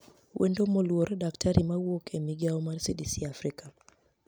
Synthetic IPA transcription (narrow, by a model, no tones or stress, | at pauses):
wʔḛndomolwoɾdaktʰaɾʔimawokemiɡiaɔmaɾsidisiafɾika